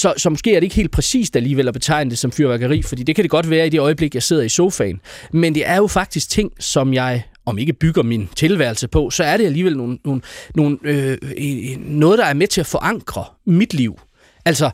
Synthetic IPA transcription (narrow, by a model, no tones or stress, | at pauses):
sɒ̽sɒ̽mosɡe̝̰ːæɐɾeɡ̥he̝̰ld̥̚pʰʁɛsḭːsd̥æliːʋel̰ɒb̥e̝t͡sʰɑ̈ɪ̰nəd̥e̝sɒ̽mfyɐʋæɡ̥ɐʁḭːfɒ̽d̥ḭːd̥e̝kʰæd̥e̝ɡ̥ɒ̽d̥ʋæːɐid̥e̝ɒ̽ɪəb̥le̝ɡ̥jɑ̈ɪse̝ð̞̰ˠɐiso̝ʊfɛ̰ɪn | mend̥e̝ʔæɐjo̝fɑ̈ɡ̥̚d̥isɡ̥̚t͡sʰe̝ŋ̰sɒ̽mjɑ̈ɪ | ɒ̽me̝ɡ̥əb̥yɡ̥ɐmint͡sʰe̝lʋæɐlsəpʰɒ̽sɒ̽æɐɾe̝æliːʋelno̝ːnːo̝ːnno̝ːnø | ɔ̽ːð̞ˠd̥ɑ̈æɐmet͡sʰe̝æfɒ̽ʔɑ̈ŋ̰ɡ̥ʁɐmid̥liʊ̰ | ʔælsɒ